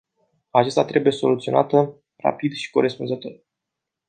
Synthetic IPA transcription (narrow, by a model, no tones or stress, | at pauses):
at͡ʃest̪at̪ɾe̞bujeso̞lut̪sio̞nʔat̪ə | ra̰pid̪ʃi̥ko̞ɾe̞spunzət̪o̞r